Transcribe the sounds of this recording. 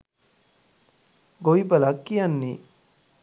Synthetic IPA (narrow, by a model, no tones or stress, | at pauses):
ɡoibəlakːijanːi